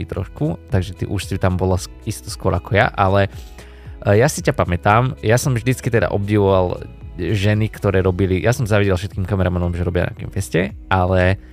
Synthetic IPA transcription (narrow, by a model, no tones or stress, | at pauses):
it̪ɾɔ̰ʃkut̪aɡʒɛt̪ḭːʔuʃsit̪ambɔlas | ist̪ɔskʊɔɾʔakɔja̰ʔalɛ | jasicapamɛt̪aːmjasɔmvʒd̪it͡skit̪ɛd̪a̰ʔɔb̚ɟiʋɔʋalʒɛnikt̪ɔɾɛːɾɔbilijʔasɔmzaʋiɟɛlˠfʃɛt̪kiːmkamɛɾamanɔmʒɛɾɔbɪa̰na̰kḭmfɛscɛalɛ